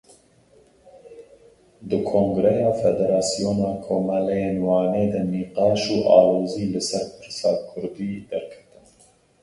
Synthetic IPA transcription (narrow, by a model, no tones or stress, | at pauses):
d̪ɨkʰoːŋɡɾɛjɑːfɛd̪ɛɾɑːsijoːnɑːkʰoːmɑlɛjeːnwɑːneːd̪ɨniːqɑːʃuːʔɑ̰ːloːziːlɨsɛɾpʰɨɾsɑːkʰʊɾd̪iːd̪ɛɾkʰɛ̥t̪ɨn